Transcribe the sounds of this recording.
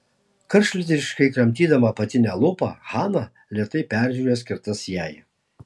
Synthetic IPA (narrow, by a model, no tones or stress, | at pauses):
kɐɾʃʲlʲɪt̪ʲɪʃkɐɪkɾɐmʲt̪ʲiːd̪ɐmɐpɐt̪ʲɪnʲɛlˠʊpɑ̰hɑːnɐ | lʲiɛt̪ɐɪpʲæˑɾʲʒʲuːɾʲesʲkʲɪɾt̪ɐsjæːj